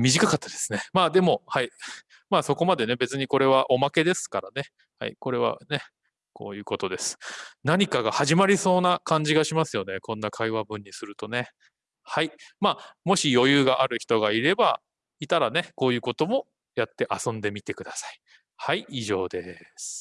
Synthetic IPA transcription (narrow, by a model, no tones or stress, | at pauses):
mʲiʑikakat̪ːad̪̥e̞sɨ̥ne̞maːd̪e̞mo̞hai | maːso̞ko̞mad̪e̞ne̞be̞t͡sɨɲ̟iko̞ɾe̞β̞aʔo̞make̞d̪e̞sɨ̥kaɾane̞ | ha̰ḭko̞ɾe̞βa̰ne̞ | ko̞̰ːjɯ̟ːko̞t̪o̞d̪e̞sɨ̥naɲ̟ikaɡahaʑimaɾʲiso̞ːnakãɲ̟d͡ʑiɡaɕimasɨjo̞ne̞kõnːakʰaiβ̞abɯ̟̃ɲ̟ːisɨɾɯ̟t̪o̞ne̞ | haimaːmo̞ɕijo̞jɯːɡaʔaɾɯ̟çi̥t̪o̞ɡaiɾe̞ba | it̪aɾane̞ko̞ːjɯ̟ːko̞t̪o̞mo̞ | jat̪ːe̞ʔasõ̞nd̪e̞mʲit̪e̞kɯ̟d̪asḁi̥ | haiːʑo̞ːd̪e̞sɨ̥